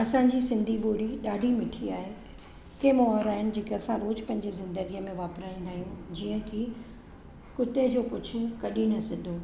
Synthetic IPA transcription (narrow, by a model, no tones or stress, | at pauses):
ɐsãɲd͡ʑiːsɪ̃nd̪ʱiɓoːɾiɗaːɖʱimɪʈʰiaːɦe | k̪ʰemɔːɦɔɾaːɦɪnɪ̆d͡ʑeːkeɐsãɾoːd͡ʑpɐ̃ɦɪ̃ɲd͡ʑezɪ̃nd̪əɡijəmẽʋaːpɾaːĩːnd̪aːɦijũd͡ʑiːə̃kʰiː | kʊt̪ed͡ʑoːkʊd͡ʑʱʊ̆kɐɗinɐsɪd̪ʱoː